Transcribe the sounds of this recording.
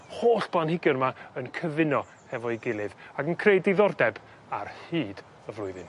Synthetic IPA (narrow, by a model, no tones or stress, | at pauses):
hoːɬb̥lˠanhɪɡɪrmaənkʰəvɪnɔ | hɛvɔiɡɪlˠɨðaɡənkʰrejdiðɔrdɛb | a̰rhiːd̥ | əvlˠʊɨðɨn